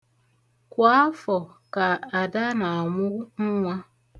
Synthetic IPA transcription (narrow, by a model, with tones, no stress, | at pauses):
kʷa˨˦a˦fɔ˨ | ka˨a˨da˦na˨a˨ŋʷʊ˦ɣŋ̩˦ŋʷa˦